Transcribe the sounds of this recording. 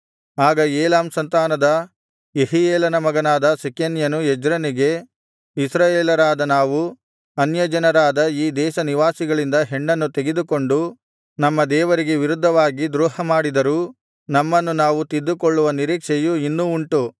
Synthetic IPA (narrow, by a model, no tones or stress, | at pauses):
aːɡɐeːlaːmsɐnt̪aːnɐd̪ɐ | jeɦijeːlɐnɐmɐɡɐnaːd̪ɐsikenjɐnued͡ʒɾɐniɡe̞ | isɾaːjeːlɐɾaːd̪ɐnaːʋu | ɐnjɐd͡ʒɐnɐɾaːd̪ɐiːd̪ɛːʃɐniʋaːsiɡɐɭind̪ɐɦeɳːɐnːut̪e̞ɡed̪uko̞ɳɖu | nɐmːɐd̪ɛːʋɐɾiɡe̞ʋiɾud̪ʱːɐʋaːɡid̪ɾuːhɐmaːɽid̪ɐɾuː | nɐmːɐnːunaːʋut̪id̪ːukoɭːuʋɐniɾiːkʂɛjuinːuuɳʈu